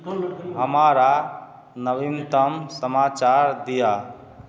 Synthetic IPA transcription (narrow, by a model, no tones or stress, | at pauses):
ɦəmaɾa | nəbimt̪əmsəmat͡ʃaɾd̪ija